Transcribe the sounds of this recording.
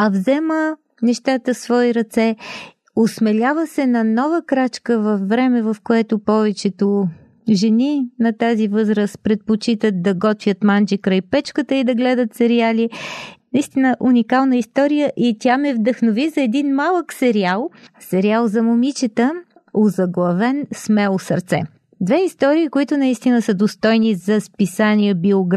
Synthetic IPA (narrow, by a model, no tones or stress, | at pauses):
ɐvzɛmə | nɛʃt̪at̪əsvɔiɾɐt̪sɛ | osmɛlʲavəsɛnɐnɔvəkɾat͡ʃkəvɐfːɾɛmɛvɐfkoɛt̪ʊpɔvɛt͡ʃɛt̪ʊ | ʒɛninɐt̪azivɤzɾəspɾɛt̪̚pot͡ʃit̪ət̪̚d̪ɐɡɔt̪vʲjət̪mand͡ʒikɾajpɛt͡ʃkət̪əid̪ɐɡlɛd̪ət̪sɛɾialinɐist̪inəʔunʲikalˠnəist̪ɔɾijəʔit̪ʲamɛvd̪əxnovizɐɛd̪inmalˠəksɛɾialˠsɛɾialˠzɐmomit͡ʃɛt̪ə | ozɐɡlˠɐvɛnsmɛlˠosə̰ɾt̪sɛ̰ | d̪vɛist̪ɔɾiːkoit̪ʊnɐist̪inəsəd̪ost̪ɔjnizɐspisaniəbioɡɾ